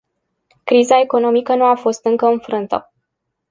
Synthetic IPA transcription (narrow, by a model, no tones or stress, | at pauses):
kɾizae̞ko̞no̞mikən̪uafo̞st̪ɨŋkəɨnfɾɨnt̪ə̰